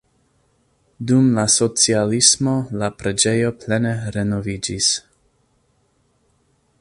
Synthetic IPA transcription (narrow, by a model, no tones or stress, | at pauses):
dumlaso̞t͡sialismo̞lapɾe̞d͡ʒe̞jo̞ple̞neɾe̞no̞vid͡ʒis